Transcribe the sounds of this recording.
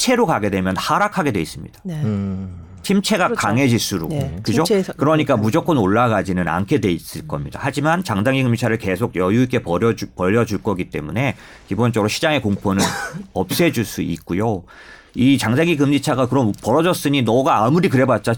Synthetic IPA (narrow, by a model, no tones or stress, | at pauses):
t͡ɕʰe̞ɾokaɡe̞dwe̞mjʌnhaɾakʰaɡe̞dwe̞is͈ɯmɲḭd̥ḁ | t͡ɕʰimt͡ɕʰe̞ɡakaŋe̞d͡ʑiɭs͈uɾokɯd͡ʑokɯɾʌɲik͈amud͡ʑok͈ʰʌnoɭːaɡad͡ʑinɯna̰nkʰe̞dwe̞is͈ɯɭk͈ʌmɲida̰had͡ʑimant͡ɕaŋd͡ʑaŋiɡɯmd͡ʑit͡ɕʰaɾɯɭke̞sʰoɡ̚jʌjuik͈e̞ʌpʌʎːʌd͡ʑuɭk͈ʌɡit͈e̞̰mune̞ | kibont͡ɕ͈ʌɡɾoɕʰid͡ʑaŋe̞koŋpʰonɯnʌp̚s͈e̞d͡ʑuɭs͈uik̚k͈ujo | it͡ɕaŋd͡ʑaŋiɡɯmd͡ʑit͡ɕʰaɡakɯɾʌmpʌɾʌd͡ʑʌs͈ɯɲinʌɡaːmuɾikɯɾe̞bat̚t͡ɕ͈a